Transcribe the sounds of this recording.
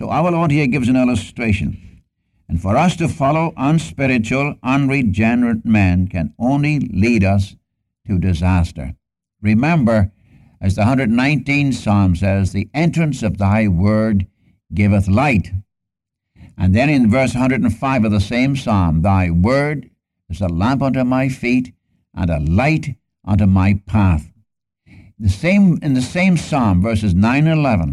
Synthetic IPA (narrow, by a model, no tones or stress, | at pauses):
soʊʔaʊə˞lɔɹd̚hiɹɡɪvzɨ̃nɪlˠəstɹ̥eɪʃɨ̰̃n | ɨ̃nfə˞ʌstɨfɑlˠoʊʔə̃nspɪɹɨt͡ʃul̩ˠʌ̃nɹid͡ʒɛnə˞ɨt̚mæ̃nkʰɨ̃nõʊ̃nliliɾʌs | tʰɨdɨzæstə̰˞ | ɹɨmɛ̃mbə˞ | ʔɨzðəhʌ̃ndɹɨdn̩ãɪ̃ntĩnsɑmsɛzðiɛ̃nt͡ʃɹ̥ɨ̃nsʌvðaɪwɜ˞d̚ | ɡɪvəθlaɪt | ʔɨ̃nðɨ̃ñɨ̃nvɜ˞shʌ̃ndɹəd̃n̩faɪvʌvðəsẽɪ̃msɑ̃mðaɪwɜ˞ɾ | ɨzəlæ̃mpʌ̃ntʉmaɪfiɾ | ʔə̰̃nəlaɪɾ | ʔʌ̃ntumaɪpʰæθ | ðɨsẽɪ̃mɨ̃nðɨsẽɪ̃msɑ̃ɱvɜ˞sɨznãɪ̃nɨ̃nəlɛvə̃n